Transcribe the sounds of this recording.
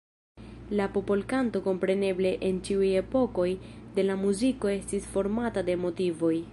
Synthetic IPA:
lapo̞po̞lkanto̞ko̞mpɾe̞ne̞ble̞ʔent͡ʃiuje̞po̞ko̞jde̞lamuziko̞e̞stisfo̞ɾmatade̞mo̞tivo̞j

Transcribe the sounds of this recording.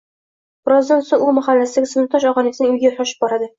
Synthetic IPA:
b̥ɪɾɒzd̪ansoŋumaχalːasɪd̪aɡʲasmɪt̪ɒʃɒʁɒnijat̪nɪŋʊjɡʲajoʃaʃɪ̥p̚bɒɾad̪ɪ

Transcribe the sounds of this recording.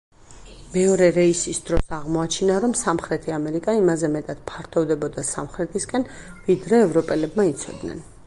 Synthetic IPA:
mɛɔɾɛɾɛisisd̪ɾɔsaʁmɔat͡ʃʰinaɾɔmsamχɾɛt̪ʰiamɛɾikʼaimazɛmɛt̪ʼad̪̥pʰaɾt̪ʰɔvd̪ɛbɔd̪asamχɾɛt̪ʰiskʼɛnvid̪ɾɛːvɾɔpʼɛlɛbmait̪sʰɔ̰d̪nɛ̰n

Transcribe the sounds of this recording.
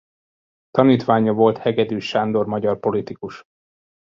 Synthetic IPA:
t̪ɒniːt̪ʋaːɲɒvo̞lt̪hɛɡɛd̪yːʃaːnd̪o̞rmɒɟɒrpo̞lit̪ikuʃ

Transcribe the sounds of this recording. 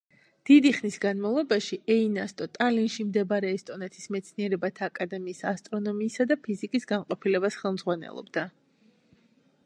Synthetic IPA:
d̪̥id̪iχnisɡanmavlˠɔbaʃiɛinast̪ʼɔt̪ʼalinʃimd̪ɛbaɾɛːst̪ʼɔnɛt̪ʰismɛt̪sʰniɛɾɛbat̪ʰaːkʼad̪ɛmiːsast̪ʼɾɔnɔmiːsad̪apʰizikʼisɡanqʼɔpʰilɛbasχɛlˠmdzʁwanɛ̰lˠɔ̰bd̪a

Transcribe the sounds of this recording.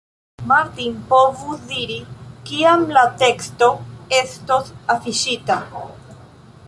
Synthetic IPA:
maɾtinpo̞vusdiɾikiamlate̞ksto̞e̞sto̞safiʃita

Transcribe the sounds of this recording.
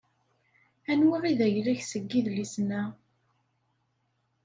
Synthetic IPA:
ænwiʁiðæʝlæçsəɡːiðlisnæ

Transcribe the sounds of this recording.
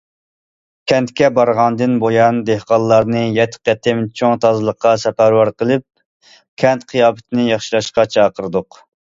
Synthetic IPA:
kʲʰɛnt̪kʲɛbɑɾʁɑnd̪ɨnbojɑnd̪ehqɑllˠːɑɾnɨjɛt̪ʰqɛt̪ʰɪmt͡ʃʰoŋt̪ʰɑzɨlˠəqːɑsɛpæɾwɑɾqəlˠɨp̚ | kʲʰɛnt̪qʰijɑːpɪt̪ʰɪnɪjɑχʃilˠɑʃqɑt͡ʃʰɑːqəɾɨd̪ʊq

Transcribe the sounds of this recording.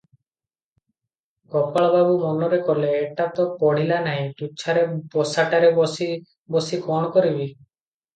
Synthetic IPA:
kɔpaɭɔbabumɔnɔɾekɔleːʈat̪ɔpɔɽ̤̃ilanaɦĩt̪ut͡ʃʰaɾebɔsaʈaɾebɔsi | bɔsikɔɽ̃ɔkɔɾibi

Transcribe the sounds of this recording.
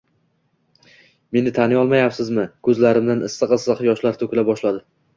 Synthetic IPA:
me̞nɪt̪ʰanɪɒlˠmajapsɪzmɪkʰɵzlaɾɪmd̪anɪsːɨqɨsɨqjɒʃlaɾt̪ʰɵkʲlabɒʃlad̪ɪ

